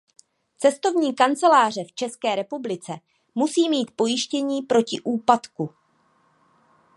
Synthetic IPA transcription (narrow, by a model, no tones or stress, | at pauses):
t͡sɛst̪o̞vɲiːkant͡sɛlaːr̝ɛft͡ʃɛskɛːɾɛpublɪt͡sɛ | musiːmiːt̪po̞jɪʃcɛɲiːpɾo̞cɪʔuːpat̪ku